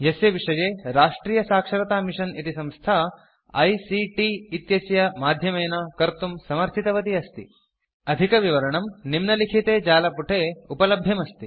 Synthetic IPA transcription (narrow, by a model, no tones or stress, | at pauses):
jɐseʋiʂɐjeːɾaːʂʈɾiːjɐsaːkʂɐɾɐt̪aːmiʂɐnit̪isɐ̃mst̪ʰɐɐ | ɐ̰jsiʈiːt̪jɐsjɐmaːd̪ʱjɐmejnɐkɐɾt̪umsɐmɐɾt̪ʰit̪ɐʋɐt̪iɐst̪ḭ | ɐd̪ʱikɐʋiʋɐɾɐɳɐmnimnɐlikʰit̪eːd͡ʒaːlɐpuʈʰeːupɐlɐbʱjɐmɐst̪i